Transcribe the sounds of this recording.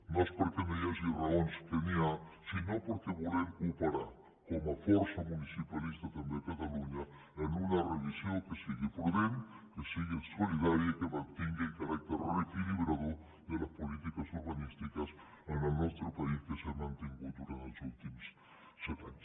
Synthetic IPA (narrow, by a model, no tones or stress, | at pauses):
nospoɾkemeðiasiraonst̪eniasinopoɾkeβoleɾkupeɾaɾ | komafoɾsamũnisipalist̪at̪amd̪ekat̪aluɲa | enunareβisjoŋkesiɣepɾβenkesiɣesoliðaɾjakemant̪eŋɡeekaɾak̚t̪eɾrekiliβɾaðo | ðelaspolit̪ikasuɾβanist̪ikas | enenwest̪ɾopaiskesemãnt̪eŋɡud̪uɾant̪osult̪ims | set̪a̰ɲos